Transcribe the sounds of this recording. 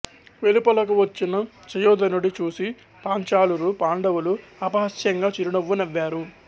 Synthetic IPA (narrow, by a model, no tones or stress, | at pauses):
ʋelipɐlɐkuʋɐt͡ʃːinɐ | t͡ʃɐjɔːd̪ɐnuɽit͡ʃuːsi | paːɲt͡ʃaːluɾupaːɳɖɐwuluɐpɐɦɐsjɐŋɡaːt͡ʃiɾuɳɐʋːunɐʋːaːɾu